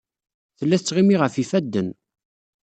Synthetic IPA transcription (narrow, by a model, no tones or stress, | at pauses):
θəlːæθt͡sːʁimiʁəfifæd̪ːən